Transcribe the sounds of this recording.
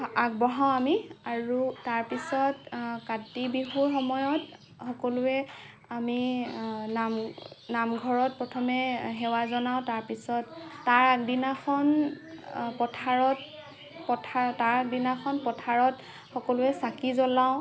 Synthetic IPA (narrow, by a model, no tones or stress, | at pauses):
ak̚bɔɦaw̃amiaɹutaɹpisɔtkatibiɦuɹxɔmɔjɔt | xɔkɔlʊɛ | ami | namnamɡʱɔɹɔt̚pɹɔtʰɔmɛɦɛwazɔnaʊ̃taɹpisɔtːaɹdinakʰɔn | pɔtʰaɹɔt̚ | pɔtʰaɹtaɹdinakʰɔnpɔtʰaɹɔt | xɔkɔlʊɛsakizɔlaʊ̃